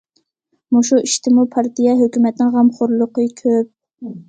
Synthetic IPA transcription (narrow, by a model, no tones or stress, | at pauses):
muʃuiʃt̪ʰɪmupʰɑɾt̪ʰijɛɦøkʲymɛt̪nɪŋʁɑmχoɾlˠʊqəkʲʰøp̚